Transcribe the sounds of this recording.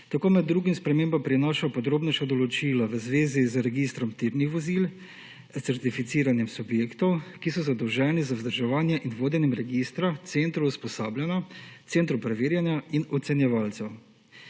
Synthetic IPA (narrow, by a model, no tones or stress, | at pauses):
t̪akoːmɛd̪ːɾuːɡimspɾɛmeːmbampɾinɔːʃajpɔd̪ɾoːbnɛʃad̪ɔlɔt͡ʃiːlaʋəzʋeːzizɾɛɡist̪ɾɔmt̪iɾnixʋɔzil | t̪sɛɾt̪ifit̪siːɾanjɛmsubjeːkt̪ɔwkisɔzad̪ɔwʒɛːnizawzd̪əɾʒɛʋaːnjɛʔinʋoːd̪ɛnjɛmɾɛɡist̪ɾat̪sent̪ɾuuspɔsaːbljanat̪sent̪ɾupɾɛʋeːɾjanjainɔt̪sɛnjɛʋalt̪sɛw